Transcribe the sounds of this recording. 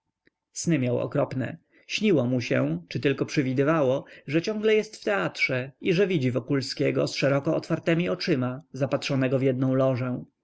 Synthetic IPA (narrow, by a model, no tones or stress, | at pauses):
snɘmjawɔ̰kɾɔpnɛ̰ | ɕɲiwɔmuɕɛ̃t͡ʂɘt̪ɘlkɔpʂɛvʲid̪ɘvawɔʐɛt͡ɕɔ̃ŋɡlɛjɛst̪ft̪ɛatʂɛiʐɛvʲid͡ʑivɔkulskʲɛɡɔ̰sʂɛɾɔkɔːt̪faɾt̪ɛmʲiɔt͡ʂɘmazapatʂɔnɛɡɔvjɛd̪nɔ̃w̃lɔʐɛ̃